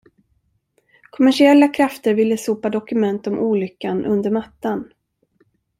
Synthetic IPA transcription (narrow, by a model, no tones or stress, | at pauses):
kʰɔmæʂɪɛlːakʰɾaft̪əɾvɪlːəsuːpad̪ɔkɵmɛnt̪ɔmʔuːlʏkːanʔɵ̰nd̪əɾmat̪ːan